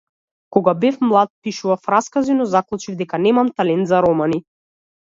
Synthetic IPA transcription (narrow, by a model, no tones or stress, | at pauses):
kɔɡabɛfmlˠat̪̚piʃuvafɾaskazinɔzaklˠut͡ʃivd̪ɛkanɛmamt̪alɛnt̪zaɾɔmani